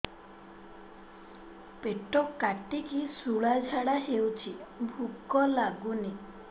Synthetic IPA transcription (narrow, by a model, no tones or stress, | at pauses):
peʈɔkaʈikisuɭad͡ʒʱaɽaɦewt͡ʃʰibʱukɔlaɡuni